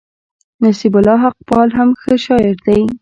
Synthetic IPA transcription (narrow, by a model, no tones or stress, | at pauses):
nasibʊlːɑɦaq̚bɑlɦamxəʃɑjɪɾd̪aj